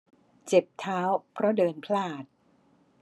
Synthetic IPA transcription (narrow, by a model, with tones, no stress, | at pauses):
t͡ɕe˨˩p̚t̪ʰaː˦˥wpʰɾɔ˦˥dɤː˧npʰlaː˥˩t̪̚